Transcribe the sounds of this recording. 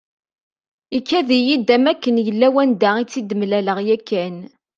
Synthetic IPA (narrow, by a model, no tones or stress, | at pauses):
ikʰːæðijid̪æmækːənjəlːæwænd̪æit͡sːid̪əmlæləʁjækːæn